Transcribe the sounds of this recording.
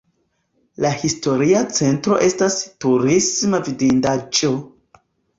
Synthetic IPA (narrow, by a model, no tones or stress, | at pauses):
lahisto̞ɾiat͡se̞ntɾo̞̰ʔe̞stastuɾismavidindad͡ʒo̞